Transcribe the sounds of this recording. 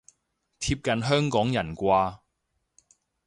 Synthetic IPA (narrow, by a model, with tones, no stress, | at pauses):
t̪ʰiː˧p̚kɐ˨nɦœː˥ŋkɔː˨˥ŋjɐ˨˩nkʷaː˧